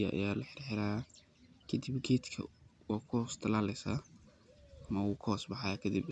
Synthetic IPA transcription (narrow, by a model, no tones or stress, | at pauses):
ɐʔɐ̰jaːlɐħɪɾħɪɾaː | kʰɐd̪ibɡɛːd̪kʰɐ̰waːkʰɔːst̪ʰɐlaːlɛjsa | ɐmɐʊɣʊkʰɔːsbɑħɑjakʰɐd̪ɪb